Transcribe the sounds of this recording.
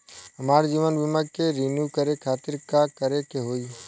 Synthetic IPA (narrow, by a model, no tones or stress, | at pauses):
ɦəmaːɾd͡ʒiːʋənbɪməɡkeɾɪnjukəɾekʰaːt̪ɪɾkakəɾekeɦoːiː